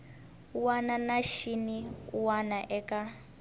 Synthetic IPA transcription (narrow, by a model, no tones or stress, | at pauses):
uwananaʃiniuwanaʔɛka